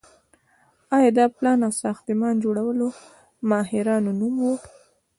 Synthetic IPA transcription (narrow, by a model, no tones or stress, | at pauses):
ɑjɑd̪ɑplɑnawsɑxt̪əmɑnd͡ʒoɽawəlo | mɑɦɪɾɑnonumwu